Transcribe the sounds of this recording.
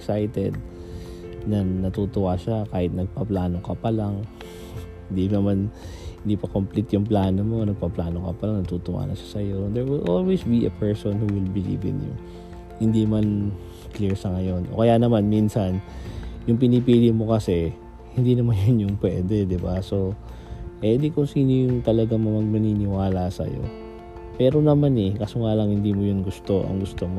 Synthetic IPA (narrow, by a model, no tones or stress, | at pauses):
ksajt̪ɛd̪̚ | nɐnɐt̪ut̪ʊwaʃakaːhɪt̪̚nɐɡ̚paplaːno̞kɐpɐlaŋ | hɪnd̪inɐman | hɪnd̪iːpɐkomplit̪jʊŋplaːnomo̞nɐɡ̚paplaːnokɐpɐlaŋnɐt̪ut̪ʊwa̰ːnɐʃḁsɐjo̞d̪ɛɹwɪlʔolwisbiɛ̰pʰɛɹsonhuwɪlbɪlḭːvɪ̰njʊ̰ | hɪnd̪iman | kliɹsɐŋɐjo̞nʔo̰kɐjanɐmanminsɐnjʊŋp̬ɪnipiːlɪmo̞kɐsɛ | hɪnd̪inɐmanjnjʊŋpwɛːd̪ɛd̪ɪbaso̞ | ʔɛd̪ikʊŋsiːnojʊŋt̪ɐlɐɡaŋmɐmɐɡ̚nɐniːnɪwaːlasɐ̰jo̞̰ | pɛːɾo̞nɐmanɛkɐsoŋalɐŋhɪnd̪iːmojʊnɡʊst̪o̞ʔɐ̰ŋɡʊst̪omo